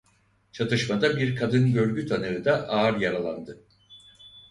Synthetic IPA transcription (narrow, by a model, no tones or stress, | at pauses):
t͡ʃʰat̪ʰɯʃmad̪abiɾkʰad̪ɯnɟø̞ɾɟyt̪ʰanɯɯd̪aʔaːɾjaɾalˠa̰nd̪ɯ